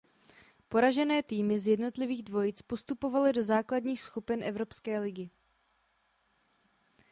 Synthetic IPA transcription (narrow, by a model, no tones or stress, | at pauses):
po̞ɾaʒɛnɛːt̪iːmɪzjɛdno̞t̪lɪviːɣdvo̞jɪt͡spo̞st̪upo̞valɪdo̞zaːkladɲiːxskopɪnʔɛvɾo̞pskɛːlɪɡɪ